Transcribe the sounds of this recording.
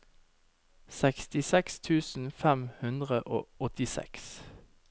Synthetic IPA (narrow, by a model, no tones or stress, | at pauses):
sɛkst̪ɪsɛkst̪ʰʉːsn̩fæmhʉnd̪ʁəʔo̰ːɔt̪ɪsɛ̰ks